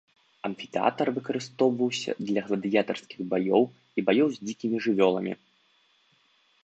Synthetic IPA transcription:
ɐmfʲi̥t̪ɛa̰t̪ɐrvɨkɐɾɨst̪ɔwvɐwsʲɐ̰d̪lʲɐɣlˠɐd̪ɨjat̪ɐrskʲiɣbajɔw | ibajɔwzʲd͡zʲikʲimʲiʐɨvʲɔlˠɐmʲḭ

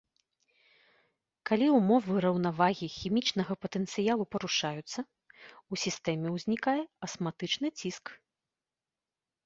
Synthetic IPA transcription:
kalʲiumɔvɨɾɐwnavaɣʲixʲimʲit͡ʂnɐɣɐpɐt̪ɛnt̪sɨjalˠupɐɾuʂajut̪sːɐ | usʲist̪ɛmʲɛwzʲnʲikajɛɐsmat̪ɨt͡ʂnɨt͡sʲisk

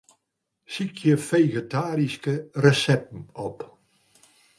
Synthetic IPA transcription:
sikʰjəfejɣətaːɾiskərəsɛp̚n̩ɔp

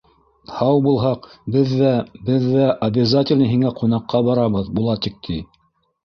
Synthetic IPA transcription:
hɑwbulˠɦɑqbɘðːæbɘðːæʔɐbʲɪzatʲɪlʲnɤɦiŋæqʰunɑqʰːɑbɑɾɑβɤðbulˠɑt̪ik̚t̪ʰi

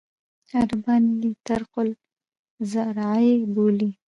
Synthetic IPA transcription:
aɾbɑnlit̪aɾqʊl | zaɾɑeboli

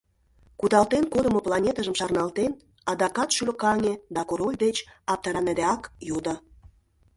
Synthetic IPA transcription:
kud̪ɑlt̪enkod̪ə̆moplˠɑnʲet̪əʒəmʃɑrnɑlt̪en | ɑd̪ɑkɑt̪ʃylə̆kɑŋʲed̪ɑkoɾolʲd̪et͡ɕɑp̚t̪ɑɾɑned̪eɑkjud̪ə̆

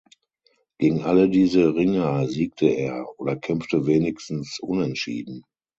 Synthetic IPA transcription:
ɡ̥eːɡŋ̩ʔalədiːzəʁɪŋɐəziːk̚tʰəeːɐʔoːdɐkʰɛmftəveːnɪçstn̩sʔʊ̰nɛntʃḭːdn̩

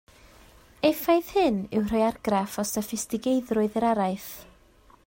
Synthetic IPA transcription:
efajθhɨnɪwr̥ɔjarɡrafɔsafɪstɪɡejðrʊɨðəɾaɾajθ

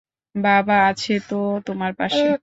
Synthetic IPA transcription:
babaat͡ɕʰet̪ot̪omaɾpaʃe

